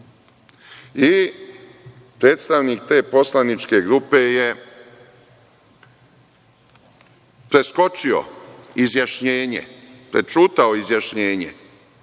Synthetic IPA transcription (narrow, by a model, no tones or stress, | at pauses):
i | pɾe̞ːt̪st̪aʋniːkt̪e̞ːpo̞slˠanit͡ʃke̞ɡɾupe̞je | pɾe̞sko̞t͡ʃio̰izjaʃɲeːɲḛpɾet͡ʃuːt̪aoizjaʃɲeːɲḛ